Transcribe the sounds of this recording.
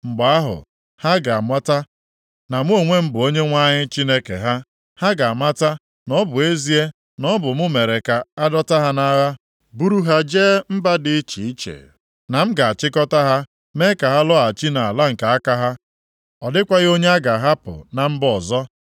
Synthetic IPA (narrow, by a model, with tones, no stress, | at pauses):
ŋ͡m̩˨ɡ͡ba˨a˦ɦʊ̰˨ | ha˦ɡa˨a˨mʷa˦ta˦ | na˨m̩˦o˦˨ŋʷe˦m̩˦bʊ˨o˦ɲe˦ŋʷa˦ɲɪ˦t͡ʃi˦ne˦kḛ˨ɦa˦ | ha˦ɡa˨a˨mʷa˦ta˦ | nɔ˦bʊ˨e˦zi˦e˦ | nɔ˦bʊ˨mʊ˦me˨ɾe˨ka˨a˦dɔ˦ta˦ɦa˦na˦ɣa˦ | bu˦ɾu˦ɦa˨d͡ʒeː˦m̩˦ba˦dɪ˨˦t͡ʃḭ˨i˦t͡ʃḛ˨ | na˨m̩˦ɡa˨a˨t͡ʃɪ˦kɔ˦ta˦ɦa˦ | me˦ka˨ɦa˦lɔ˦a˨t͡ʃi˦na˨a˨la˦ŋ̩˨ka˨a˦ka˦ɦa˦ | ɔ˨dɪ˦kʷa˦ɣo˦ɲe˦a˦ɡa˨ɦa˦pʊ̰˨na˨m̩˦bɔ˨zɔ˦